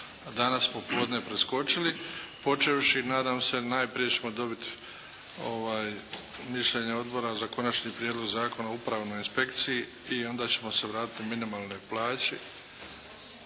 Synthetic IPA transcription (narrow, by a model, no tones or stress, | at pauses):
d̪anassmoploːd̪nepɾesko̞t͡ʃilipo̞t͡ʃeʋʃinaːd̪amse̞najpɾije̞t͡ɕe̞mo̞d̪o̞bit̪i̥ | o̞ʋaːj | miʃʎeɲeo̞d̪bo̞ɾazako̞nat͡ʃɲiːpɾjed̪loɡzaːko̞naupɾaʋno̞jinspe̞kt̪siji | io̞nd̪aːt͡ɕe̞mo̞se̞ʋɾaːt̪i̥t̪iminimaːlˠno̞jplˠaːt͡ɕe